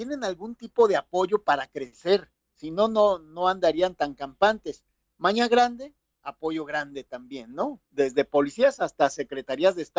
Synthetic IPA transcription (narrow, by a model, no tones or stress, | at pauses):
jene̞nalɣunt̪ipo̞ðe̞apo̞ʝo̞paɾakɾe̞se̞ɾ | sino̞no̞no̞and̪aɾiant̪aŋkampant̪e̞s | maɲaɣɾand̪e̞ | apo̞ʝo̞ɣɾand̪e̞t̪ambje̞nːo̞d̪e̞zðe̞po̞lisiasast̪ase̞kɾe̞t̪aɾiazðeːst̪a